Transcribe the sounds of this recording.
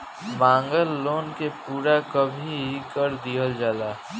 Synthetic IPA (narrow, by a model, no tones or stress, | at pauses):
mãːŋɡəlːoːnkepuːɾakəbʱiɦikəɾd̪ijəld͡ʒalaː